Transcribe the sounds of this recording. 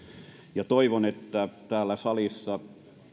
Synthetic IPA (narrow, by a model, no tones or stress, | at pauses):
jɑt̪oiʋonet̪ːæt̪æːlːæsɑlisːɑ